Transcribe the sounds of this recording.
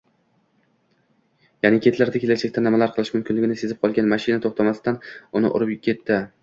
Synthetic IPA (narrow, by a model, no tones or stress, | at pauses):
janɪkʲʰe̞t̪laɾd̪akʲʰe̞lad͡ʒʰak̚ʲt̪anɪmalaɾqʰɨlˠɪʃmʊmkʲʰɪnlɪɡʲɪnɪse̞zɪp̚qʰɒlˠɡʲanmaʃɪnat̪ʰoχt̪ʰamasɪd̪anʊnɪ̰ʔʊ̰ɾʊpkʲʰe̞t̪ʰːɪ